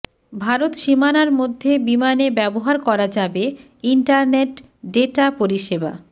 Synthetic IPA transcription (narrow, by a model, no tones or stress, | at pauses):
bʱaɾot̪ʃimanaɾmod̪ʱːebimanebɛboɦaɾkɔɾad͡ʑabe | iɳʈaɾneʈ | ɖeʈapoɾiʃeba̰